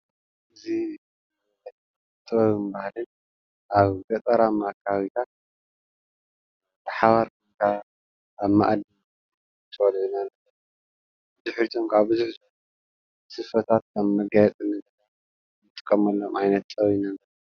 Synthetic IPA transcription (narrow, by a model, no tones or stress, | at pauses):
ɨzi | t̪ʼːɐβmbahlɨn | ʔaβɡɐt̪ʼɐɾamakʰaβit̪ʰat̪̚ | b̥ɨħaβaɾk | kʰa | aβma̰ʔd̪i | t̪ʰwɐlʕunalːɐ | bɨzuħɾit̪ʰomkaβbɨzuħ | sɨfɐt̪ʰat̪̚kʰɐmːɐɡajɛt̪ʼɨnɨ | ɨt̪ʼɨ̥kʼːɐmɐlːomajnɐt̪̚t̪ʼɐwinalːɐ